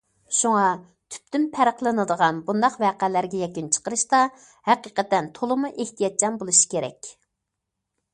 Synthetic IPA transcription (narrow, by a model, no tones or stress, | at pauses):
ʃuŋɑ | t̪ʰy̥p̚t̪ympʰæɾəqlˠɨnɨd̪əʁɑnbund̪ɑqvæːqælæɾɡʲɛjɛkʲynt͡ʃʰə̥qəɾɨʃt̪ɑ | hæqiːqɛt̪ɛnt̪ʰolˠɨmuʔeht̪ʰijɑt̪̚t͡ʃʰɑnbolˠuʃi̥kʲeɾɛ̰kʲ